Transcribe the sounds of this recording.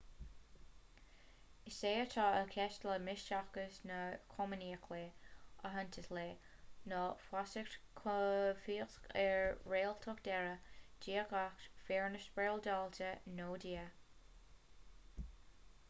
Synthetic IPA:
ɪseːət̪ʰaəkʰɛʃtləmɪʃt͡ʃaxkəsnəkʰɔməniːkʰleəɦənt̪ʰəsleː | nɔfwasɪkkʰfiːəxskɛɹɹeːlt̪ʰɔkd̪̥ɛɹəd͡ʒiːəkaxtfeɹnəʃbɹeːld̪altənoːdiːə

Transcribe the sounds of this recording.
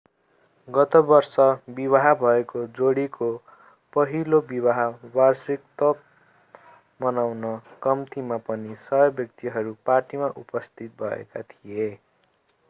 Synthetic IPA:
ɡʌt̪ʌbʌrsʌbibaɦabʱʌekod͡zoɽiko | pʌɦilobibaɦabarsikt̪ʌp̚ | mʌnawnʌkʌmt̪ʰimapʌnisʌɦjʌbjʌk̚t̪iɦʌɾuparʈimaʔupʌst̪ʰit̪̚bʱʌḛka̰t̪ʰie

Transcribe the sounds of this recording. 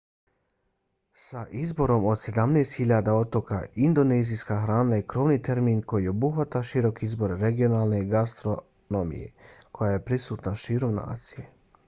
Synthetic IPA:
saʔizbo̞ɾo̞mo̞d̪se̞d̪amneːst̪xiʎad̪ao̞t̪o̞ka̰ʔind̪o̞neːzijskaxɾaːnajekɾo̞ʋnit̪e̞ɾmiːnko̞jieobuxʋat̪aʃiɾo̞kiizbo̞ɾeɾeɡio̞naːlˠne̞ɡast̪ɾo | nomḭjḛkʰo̞jaje̞pɾisuːt̪naʃiːɾo̞mna̰ːt̪sije̞

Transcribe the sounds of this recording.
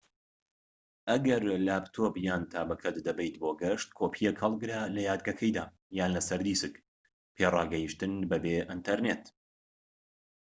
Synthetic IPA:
ʔɐɡɐɾlaːpt̪ʰoːbjaːnt̪ʰaːbɐkʰɐt̪d̪ɐbɛjt̪̚boːɡɐʃt̪kʰoːpʰijɛkhɐlˠɡɾalɐjaːd̪̚ɡɐkʰɐjd̪aː | jaːnlɐsɐɾd̪iːsɨk | pʰeːrɑːɡɐjiʃt̪ɨnbɐbeːʔint̪ʰɐɾneːt̪

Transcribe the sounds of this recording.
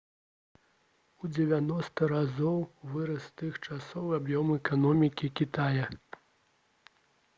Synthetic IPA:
ud͡zʲɛvʲanɔst̪ɐɾazɔwvɨɾɐst̪ɨxt͡ʂasɔwɨabjɔmɛkanɔmʲikʲikʲit̪ajɐ

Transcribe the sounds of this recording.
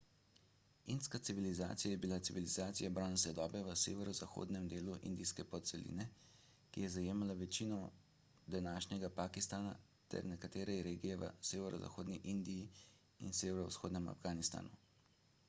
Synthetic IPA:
inskat̪siʋiliza̰ːt̪sijajɛbilat̪siʋilizaːt̪sijabɾanasʋɛd̪ɔːbɛʋəseːʋɛɾɔzaxo̰ːd̪nɛmd̪eːluʔḭnd̪iskɛpɔt̪sɛlḭnɛ | kijɛzajeːmalaʋɛt͡ʃiːnɔ | d̪anaːʃnʲɛɡapaːkist̪aːna̰ | t̪ɛ̰ɾnɛkat̪eːɾɛɾeːɡijɛʋə̰seːʋɛɾɔza̰xoːd̪niʔind̪iji | ḭnseːʋɛɾɔsxoːd̪nɛma̰fɡaːnist̪a̰ːnu

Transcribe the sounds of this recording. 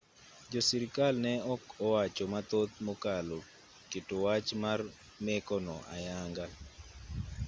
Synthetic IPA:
d͡ʒosiɾikalnɛɔkɔwat͡ʃomat̪ot̪̚mokalo | kɪtowat͡ʃmar | mɛkɔnɔʔa̰jaŋɡa

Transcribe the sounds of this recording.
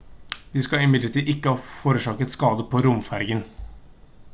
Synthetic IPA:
d̪̥ɪskɑɪmɪd̪ləʈʰiːʔɪkːəhɑːfoːɾəʂɑːkət̪skɑːd̪əpʰɔɾʊmfæɾɡən

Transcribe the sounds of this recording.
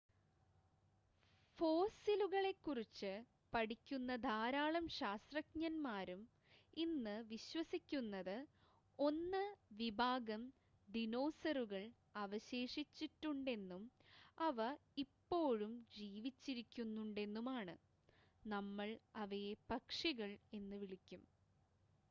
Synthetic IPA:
fo̞ːsiluɣɐɭe̞kːurit͡ɕːɨ | pɐɽikʲːunːɐd̪aːɾaːɭɐmɕaːst̪rɐk̚ɲɐnmaːɾum | inːɨʋiɕwɐsikʲːunːɐðɨ | o̞nːɨʋibʱaːɡɐm | d̪ino̞ːsɐɾuɣɐɭ | ɐʋɐɕe̞ːʂit͡ɕːiʈːuɳɖe̞nːumɐʋɐipːo̞ːɻumd͡ʑiːʋit͡ɕːiɾikʲːunːuɳɖe̞nːumaːɳɨ | nɐmːɐɭɐʋɐjepɐkʂiɣɐɭe̞nːɨʋiɭikʲːum

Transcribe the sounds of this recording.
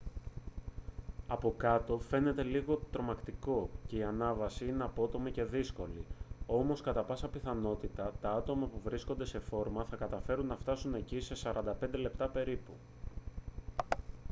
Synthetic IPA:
ɐpo̞kɐt̪o̞fe̞ne̞t̪e̞liɣo̞t̪ɾo̞mɐkt̪iko̞ce̞iɐnɐvɐsiine̞ɐpo̞t̪o̞mice̞ðisko̞lio̞mo̞skɐt̪ɐpɐsɐpiθɐno̞t̪it̪ɐt̪ɐɐt̪o̞mɐpuvɾisko̞nd̪e̞se̞fo̞ɾmɐθɐkɐt̪ɐfe̞ɾunːɐft̪ɐsune̞cise̞sɐɾʔɐnd̪ɐpe̞nd̪e̞le̞pt̪ɐpe̞ɾipu

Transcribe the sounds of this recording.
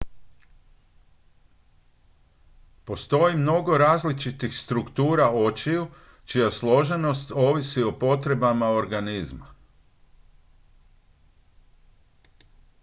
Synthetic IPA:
po̞st̪o̞jimno̞ɡo̞ɾaːzlit͡ʃit̪ixst̪ɾukt̪uːɾao̞t͡ʃiju | t͡ʃijaslˠo̞ʒe̞no̞st̪o̞ːʋisio̞po̞t̪ɾe̞bamao̞ɾɡanizma

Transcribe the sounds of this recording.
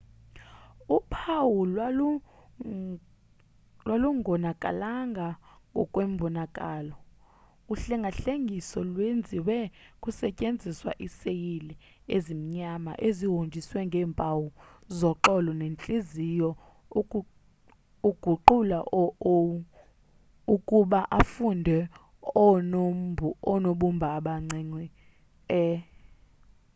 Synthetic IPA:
upʰawul | lwaluŋɔnakʼa̰laŋɡʱaŋʱɔ̰kʼwɛm̩bʱɔnakʼaːlɔ | uɬɛŋɡʱaɬeŋʱisɔlwend͡zʱiwɛkʼusɛcʼend͡zʱiswa̰ʔisejilɛ | ezim̩ɲama̰ʔeziɦond͡ʒʱiswɛŋɡʱɛːmpʼawuzɔǃɔlɔnent͡ɬʼizijɔ | uɡ̥ʱuǃulaʔɔ | ukʼuɓaʔafundʱɛ | ɔnoɓumbʱaːɓaŋ͡ǀiŋ͡ǀwi | ɛ

